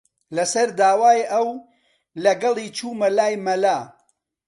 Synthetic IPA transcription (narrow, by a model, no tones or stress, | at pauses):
lɐsɐɾd̪aːwaːjɐw | lɐɡɐlˠiːt͡ʃʰuːmɐlaːjmɐlaː